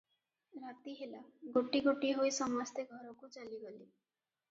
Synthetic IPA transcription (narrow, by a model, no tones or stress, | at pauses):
ɾat̪iɦelaɡoʈiɡoʈiɦojsɔmast̪eɡʱɔɾɔkut͡ʃaliɡɔli